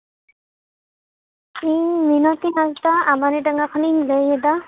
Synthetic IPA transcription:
iminɔt̪inaztaːmanidaŋakʰɔniləjɛd̪a

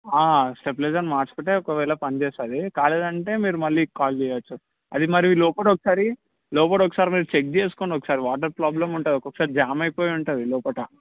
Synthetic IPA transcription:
aːsʈepleːd͡ʒɐnmaːɾt͡ʃɐ̥pɐʈːeːɔkɐʋɛːlɐpɐnt͡ʃeːsaːd̪ikaːleːd̪ɐɳʈe̞ːmiːɾumɐlːikaːld͡ʒɛːjaʋɐt͡ʃːu | ɐ̰d̪imɐɾiʋilɔːpɐʈɔkːɐ̥saːɾi | lɔːp̬ɐʈɔkːɐ̥saːɾimiːɾut͡ʃek̚d͡ʒeːsu̥koːɳɖɔkːɐ̥saːɾiʋaːʈ̬ɐɾpɾaːblɐmuɳʈɐːd̪ɔkːokːɐ̥saːɾid͡ʒaːmɐjpoːjuɳʈund̪ilɔːpɐʈɐ

